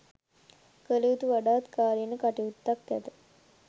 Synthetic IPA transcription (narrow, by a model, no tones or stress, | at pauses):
kəliut̪uʋaɖaːt̪kaːlinəkaʈiut̪ːak̚t̪ɛt̪ə